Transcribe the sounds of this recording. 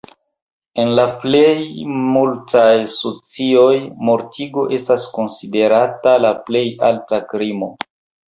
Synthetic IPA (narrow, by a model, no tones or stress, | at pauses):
e̞nlaple̞jmultajsot͡sio̞jmo̞ɾtʰiɡo̞ʔe̞stasko̞nside̞ɾatalaple̞jaltakɾimo̞